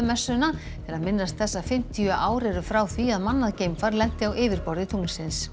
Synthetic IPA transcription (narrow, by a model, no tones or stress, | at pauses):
ʏmɛsːʏna | ɛɾaðmɪnːast̪θɛsːafɪm̥t̪ʰiʏʔaːwɾɛɾʏfɾaːwθviaðmanːaðceːjmfaɾlɛn̥t̪ɪawʔɪːvɪɾpɔɾðɪt̪ʰuŋnsɪns